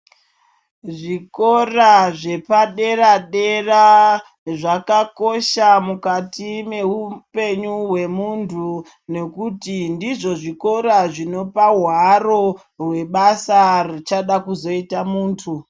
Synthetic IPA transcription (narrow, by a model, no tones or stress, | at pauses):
ʐiko̞raʐe̞paɗe̞raɗe̞ra | ʐakako̞ʃamukatime̞upe̞ɲuwe̞muntʰu | ne̞kutindiʐo̞ʐiko̞ɾaʐino̞paɦwaro̞ | rwe̞ɓasarit͡ʃaɗakuzo̞itamuːntʰu